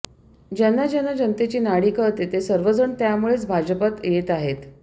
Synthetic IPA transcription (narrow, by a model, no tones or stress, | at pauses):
d͡ʑanːad͡ʑanːad͡ʑənt̪et͡ɕiːnaɽiːkət̪et̪esəɾʋəd͡zəɳt̪jamuɭet͡sbʱad͡ʑəpat̪jet̪aɦet̪